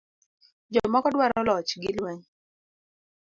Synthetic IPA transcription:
d͡ʒɔmɔkɔdwaɾɔlɔt͡ʃɡɪlweŋ

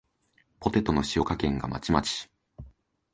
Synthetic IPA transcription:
po̞t̪e̞t̪o̞no̞ɕijo̞kakẽ̞ŋɡa̰ma̰t͡ɕimat͡ɕi̥

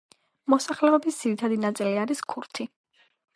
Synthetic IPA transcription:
mɔsaχlɛɔbisd̪z̥iɾit̪ʰad̪inat̪sʼiliaɾiskʰuɾt̪ʰi

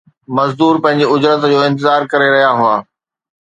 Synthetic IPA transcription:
mɐzd̪uːɾpɐ̃ɦɪ̃ɲ̆d͡ʑeʊd͡ʑɾət̪d͡ʑoːɪ̃nt̪̬ɪzaːɾkɐɾeɾɐɦijaɦʊaː

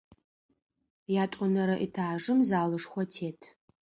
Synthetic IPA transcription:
jaːtʷʼʊnɐɾɐʔḭtʰaːʐɨmzaːlɨʂxʷɔtʰeːtʰ

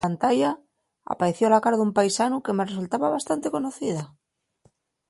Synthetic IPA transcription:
ant̪aja | a̰paɾe̞θjolakaɾaðumpajsanuke̞meresult̪aβaβast̪ant̪e̞ko̞noθiða

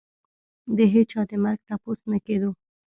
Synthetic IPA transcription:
d̪əɦet͡ʃɑd̪əmaɾɡ̚t̪aposnaked̪o

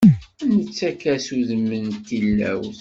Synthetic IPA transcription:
ænət͡sːækæsuðəmːənt̪ːilːæ̰wθ

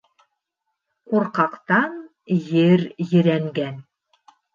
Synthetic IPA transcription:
quɾqɑqt̪ɑn | jɘɾjɘ̆ɾæŋɡæn

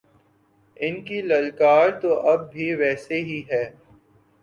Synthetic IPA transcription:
ɪnkilɐlkaːɾt̪oʔɐb̚ːʱiʋɛːseɦiɦɛː

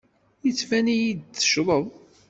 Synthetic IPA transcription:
jət͡sːfænijid̪̚θə̥ʃɾˤəðˤ

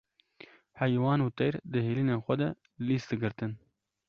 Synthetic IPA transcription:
hɛjwɑːnuːt̪ɛjɾd̪ɨɦeːliːneːxʷɛd̪ɛ | liːst̪̚d̪ɨɡɨɾt̪ɨn

